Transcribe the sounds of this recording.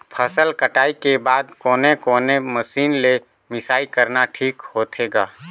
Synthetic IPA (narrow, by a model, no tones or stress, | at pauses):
pʰəsəlkəʈaːikebaːd̪kɔːnekɔːneməsiːnle | mɪsaːikəɾnaʈʰiːkhoːt̪ʰeːɡaː